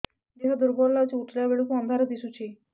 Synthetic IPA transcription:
d̪iɦad̪uɾbɔɾlat͡ɕiuʈljaʋeɭikuənd̪ʱaɾəd̪isut͡ɕi

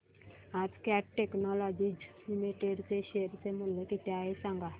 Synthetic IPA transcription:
ad͡zkaʈːeknɔlɔd͡ʑid͡ʒlimiʈeɖt͡seɕeɾt͡semuljekit̪jaesãŋɡa

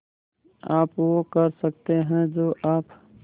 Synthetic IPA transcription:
aːpʋokɐɾsɐk̚t̪eɦɛ̃d͡ʒoːʔaːp

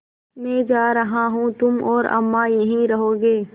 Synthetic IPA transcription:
mɛ̃ːd͡ʒaːɾɐɦaɦũt̪ʊmɔːɾɐ̰mːajɐɦĩɾɐɦoːɡeː

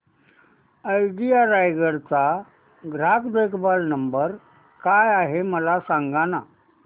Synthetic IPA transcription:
əjɖijaɾajɡəɾt͡sa | ɡɾakd̪ekʰbalnəmbəɾ | kajaɦeməlasaŋɡana

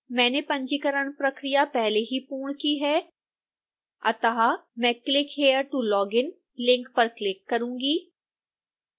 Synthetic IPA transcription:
mɛ̃ːnepɐ̃ɲd͡ʒikəɾəɳ̃pɾɐkɾijapɛɦleɦipuːɳ̃kiɦɛː | ɐ̰t̪əɦamɛ̃ːklɪkɦeːəɾʈulɔːɡɪn | lɪ̃ŋkpɐɾklɪkːɐɾũːŋɡiː

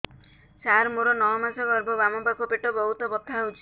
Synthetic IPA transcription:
saɾmoɽɔnɔɭɔmasɔɡɔɾbɔbamɔbakopeʈɔbɔɦut̪ɔbɔt̪ʰaɦwt͡ʃʰi̥

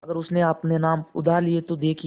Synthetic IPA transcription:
ɐɡəɾʊsneaːpnenaːmʊ̰d̪ʱaːɾliet̪od̪eːkʰ

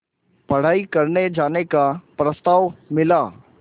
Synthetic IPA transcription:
pɐɽ̤aːikɐɾned͡ʒaːnekapɾɐst̪aːʋmɪlaː

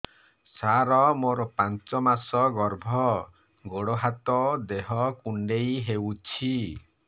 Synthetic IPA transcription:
saɾɔmoɾɔpant͡ʃɔmasɔɡɔɾbʱɔ | ɡoɽɔɦat̪ɔd̪eɦɔkuɳɖejɦewt͡ʃʰi

